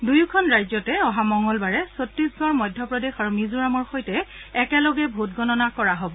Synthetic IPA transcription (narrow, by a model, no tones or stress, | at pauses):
dujukʰɔnɹajzɔtɛɔɦamɔŋɔlbaɹɛsotɹisɡɔɹmɔjdʱjɔpɹɔdexaɹumizuɹamɔɹxojtɛːkɛlɔɡɛbʱotɡɔnɔnakɔɹaɦobɔ